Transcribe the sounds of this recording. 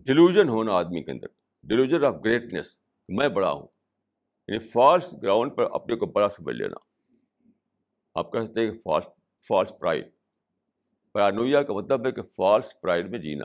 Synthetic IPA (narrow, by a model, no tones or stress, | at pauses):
ɖɪluːd͡ʒənɦoːnaaːd̪mikeɐ̰̃nd̪əɾ | ɖɪluːd͡ʒənaːfɡɾeːʈnes | kemɛ̃ːbɐɽa̰ɦṵ̃ː | j̰nifaːɾsɡɾãːʊ̃ɳɖ̚pɐɾɐ̰pnekobɐɽasɐmə̰d͡ʒlḛːnʔa̰ː | a̰ːp̚kɛsək̚t̪ẽɦɛ̃kefa̰ːls | faːɾspɾa̰ːɪɖ | pɐɾaːnoːjakamɐt̪ləbɦɛkefaːɾspɾaːɪɖmẽd͡ʒḭːna̰ː